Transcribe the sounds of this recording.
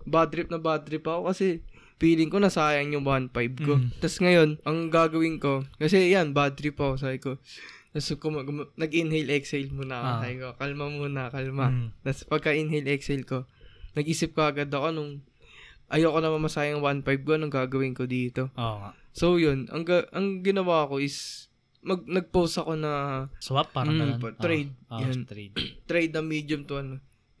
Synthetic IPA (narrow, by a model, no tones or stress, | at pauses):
bad̪ɾɪp̚nɐbad̪ɾɪpɐko̞kɐsɛ | fiːlɪŋko̞nɐsaːjɐŋjʊŋwanpajb̚ko̞t̪ɐsŋɐjo̞nʔɐŋɡaːɡɐwɪŋko̞kɐsɛjanbad̪ɾɪpɐkos̬aːbɪko̞nɐskomɐɡmnɐɡɪnhɛlʔɛksɛjlmuːnɐɐsajkokɐlmɐmuːnɐkɐlmat̪ɐspɐɡ̚kɐʔɪnɦɛlɛksɛlko̞nɐɡʔiːsɪp̚kɐʔɐɡad̪ɐko̞nʊŋ | ʔɐjoko̞nɐmɐmɐsaːjɪɐŋwanpajb̚koɐnɐŋɡaːɡɐwɪŋkod̪iːt̪o̞osowjonʔɐ̰ŋɡɐʔɐŋɡɪnɐwaɐko̞ʔɪs | mɐɡ̚nɐɡ̚powsɐko̞nɐswapːapt̪ɾɛjd̪̚jant̪ɾɛjd̪̚nɐmiːd̪ʊmt̪ʊɐno